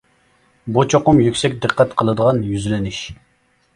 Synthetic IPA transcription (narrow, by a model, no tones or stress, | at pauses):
but͡ʃʰoqʊmjykʲsɛk̚ʲd̪ɨqːɛt̪qʰəlˠɨd̪əʁɑnjyzlɪnɪʃ